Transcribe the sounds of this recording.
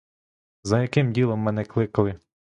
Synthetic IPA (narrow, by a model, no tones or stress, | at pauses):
zɐjɐkɪmdʲilˠɔmːɛnɛklˠɪkɐlˠɪ